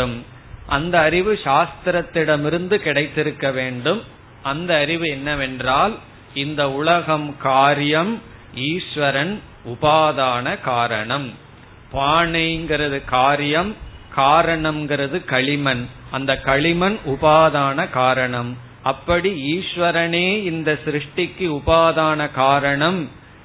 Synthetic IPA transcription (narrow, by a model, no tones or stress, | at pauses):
ɯm | ʔɐnd̪ɐːɾɪʋɯʂaːst̪ɾɐt̪ːɪɽɐmɪɾɯnd̪ɯkɪɽɐɪt̪ːɪɾɯkːɐʋeːɳɖɯm | ʔɐnd̪ɐːɾɪʋɯɛnːɐʋɛndraːl | ɪnd̪ɐʊlɐɣɐmkaːɾjɐm | iːʂʋɐɾɐn | ʊbaːðaːnɐkaːɾɐɳɐm | paːɳɐɪŋɡɪɾɐðɯkaːɾjɐmkaːɾɐɳɐmɡɪɾɐðɯkɐɭɪmɐnɐnd̪ɐkɐɭɪmɐnʔʊpaːðaːnɐkaːɾɐɳɐm | ɐpːɐɽiiːʂʋɐɾɐneːɪnd̪ɐsɾɯʂʈɪkːɯʊpaːðaːnɐkaːɾɐɳɐm